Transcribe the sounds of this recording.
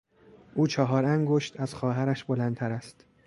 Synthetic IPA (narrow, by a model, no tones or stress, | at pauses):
ʔuːt͡ʃʰɒɦɒːɾæŋɡoʃt̪æz̥xɒːɦæɾæʃbolænt̪ʰæɾæst̪